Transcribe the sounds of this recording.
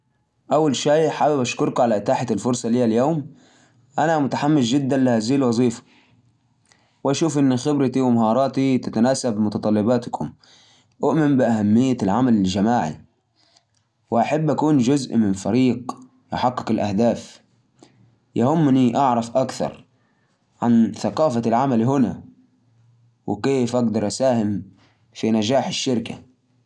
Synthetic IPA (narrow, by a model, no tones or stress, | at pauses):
ʔawːalʃaːħaːbɪbʔaʃkʊɾkʕalaʔɪt̪aːħat̪ɪlfʊɾˤsˤɑliːaljoːm | ʔanamʊt̪aħamːɪsd͡ʒɪd̪ːanlahaziːlwɑzˤiːfḁ | wʔaʃuːfʔɪnːxɪbɾɪt̪iwɪmaɦɑːɾˤɑːt̪it̪at̪anaːsabmʊt̪ɑt̪ˤɑlːɪbɑːt̪kʰʊm | ʔʊʔmɪmbɪʔahamːɪjːalʕamalɪld͡ʒamaːʕḭ | wɪʔaħabːʔakuːnd͡ʒʊzʔmɪnfaɾiːq | jʊħaqːɪ̥kɪlʔahd̪aːf | jahʊmːniʔaʕɾˤɑfʔakθɑ̰ɾˤ | ʕa̰nθaqɑːfalʕamalɦɪna̰ | wʔɪ̰keːfʔaɡd̪ɑɾˤʔasaːhɪm | finad͡ʒaːħɪʃːɪɾka